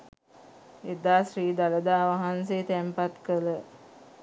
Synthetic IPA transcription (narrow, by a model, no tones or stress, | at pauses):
ed̪aːsriːd̪aləd̪aːʋaɦanseːt̪æmpat̪kələ